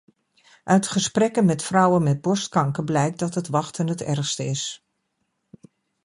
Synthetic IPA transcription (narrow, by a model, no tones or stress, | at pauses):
ʔœɥtχəsprɛkənmɛtfrɔwənmɛd̚bɔɹstkɑŋkəblɛjk̚dɑtɦətʋɑχtənɦətɛ̰ɹχstəɪs